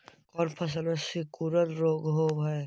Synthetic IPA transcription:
kɔːnpʰɐs̬əlesikuːɾət̪ɾoːɡɦoːbɦɛː

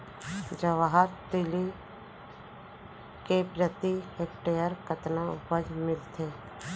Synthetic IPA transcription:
d͡ʒəʋaɦəɾt̪ɪli | kepɾət̪iheːk̚ʈejəɾkət̪naʊpəd͡ʒmɪlt̪ʰeː

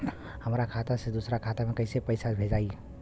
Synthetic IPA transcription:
həmɾakʰat̪ased̪usɾakʰat̪amekəjsepəɪsabʱed͡ʒai

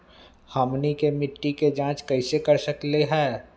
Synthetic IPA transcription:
haːmnikemɪʈːiked͡ʒãːt͡ʃkɐɪsekɐɾsəkleɦɛː

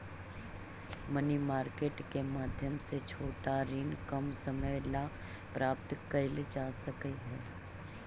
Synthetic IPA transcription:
mənimaːɾkeːʈkemaːd̪ʱjəmset͡ʃʰoːʈaɾinkɐmsəməjla | pɾʔaːp̚t̪kəɾled͡ʒaːsɐkəiɦɛː

